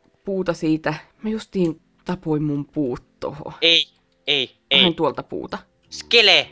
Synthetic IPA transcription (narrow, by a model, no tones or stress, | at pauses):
puːt̪ɑsiːt̪æmæjust̪iːn | t̪ɑpoimmumpuːt̪ːo̰ho̰ei | ei | ɑhent̪uolt̪ɑpṵːt̪ɑ | skele